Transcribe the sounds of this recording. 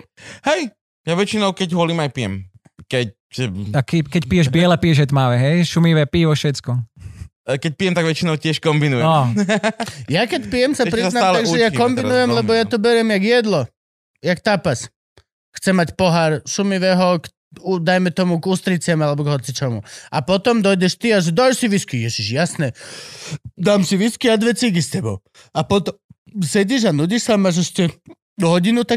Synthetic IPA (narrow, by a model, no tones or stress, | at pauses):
hɛj | jaʋɛt͡ʃinɔʊkɛɟɦʊɔliːmajpijɛm | kɛc̚ | akɛkɛcpijɛʒbɪɛlɛpijɛʒɛjt̪maʋɛɦɛjʃumiʋɛpiːʋɔʃɛt͡skɔ | kɛc̚pijɛmt̪aɡʋɛt͡ʃinɔʊcɪɛʃkɔmbinujɛɔ | jakɛcpijɛmsapɾɛasnaaːlaɡʒɛjakɔmbinujɛmlɛbɔjat̪ɔbɛɾɪɛmjaɡjɛd̪lɔ | jakt̪apas | xt͡sɛmacpɔɦaɾsumiʋɛɦɔk | ud̪ajmɛt̪ɔmuɡuːst̪ɾit͡sɪamalɛbɔɡɦɔt͡sit͡ʃɔmṵapɔt̪ɔmd̪ɔjdɛʃt̪iaʒɛd̪ɔlsiʋiskijɛsiʒjasnɛ | d̪aːmsiʋiskiad̪ʋɛt͡siɡistɛbɔ̰ʊ | apɔt̪ɔm | sɛɟiʒanuɟiʃsamaʒɛscɛ | ɦɔɟinut̪a